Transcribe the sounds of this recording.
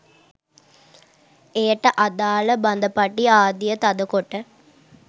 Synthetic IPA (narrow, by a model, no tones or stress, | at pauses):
eːʈːɐʔɐd̪aːlɐbɐnd̪ɐpɐʈːiaːd̪ijɐt̪ɐd̪ɐkoʈːɐ